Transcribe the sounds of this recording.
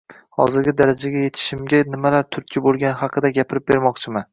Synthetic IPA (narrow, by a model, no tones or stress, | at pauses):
hɒ̰zɪɾɡʲɪd̪aɾad͡ʒaɡʲaje̞t̪ʰɪ̥ʃɪmɡʲanɪmalaɾt̪ʰʊɾkʲʰːɪbolˠɡʲanɪhɑqʰɨd̪aɡʲapʰɪɾɪp̚be̞ɾmɒqt͡ʃʰɪman